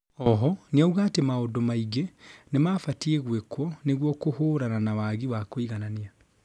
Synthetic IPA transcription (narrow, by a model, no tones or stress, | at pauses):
ɔɦɔniauɣaːtemaodomaiɡenemafatieɣwekwɔneɣwɔkohoːɾananawaɣiwakoiɣanania